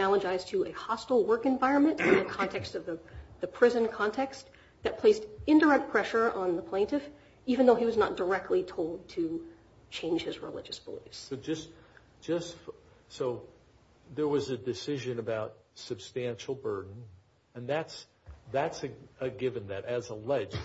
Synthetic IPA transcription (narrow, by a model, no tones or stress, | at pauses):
ælˠəd͡ʒaɪz̥tʰɨʔɨhɑstl̩ˠwɜ˞kɨ̃ɱvaɪɹɨ̃nmɨ̃ntɨ̃nðɨkʰɑ̃ntʰɛkstʌvðəðɨpʰɹ̥ɪzɨ̃nkʰɑ̃ntʰɛks | ðɨt̚pʰl̥eɪstɪ̃ndə˞ɛk̚t̚pʰɹ̥ɛʃə˞ʔə̃nðəpʰl̥ẽɪ̃ntɨf | ivɨ̃nðoʊiwʌznət̚d̥ə˞ɛk̚tʰˡlitʰoʊlˠd̚tʰɨ | t͡ʃʰẽɪ̃nʒ̥hɨzɹɪ̰lɪ̰d͡ʒɨsb̥əlḭfssoʊd͡ʒʌsd̥ʒ̥ʌstfsoʊ | ðə˞wʌzɨdɨsɪʒɨ̃nɨbaʊt̚sɨb̥stæ̃nʃl̩ˠbɜ˞dⁿn̩ | ɨ̃nðæts | ðætsɨɨɡɪvɨ̃nðɨɾɨzəlɛd͡ʒ